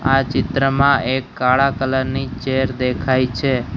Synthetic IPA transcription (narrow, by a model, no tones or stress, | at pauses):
at͡ʃɪt̪ɾəmãekːaɭakələɾnit͡ʃeɾd̪ekʰajt͡ʃʰe